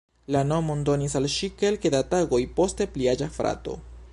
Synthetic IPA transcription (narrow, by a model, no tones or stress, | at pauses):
lano̞mondo̞nisalʃike̞lkedataɡo̞jpo̞ste̞pliad͡ʒafɾa̰to̞̰